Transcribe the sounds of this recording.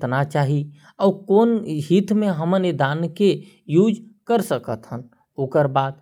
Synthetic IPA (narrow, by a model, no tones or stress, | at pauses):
nat͡ʃaɦi | ɔːkoːnɦit̪mẽɦəməned̪aːnke | jud͡ʒkəɾsəkət̪ɦən | oːkəɾbaːd̪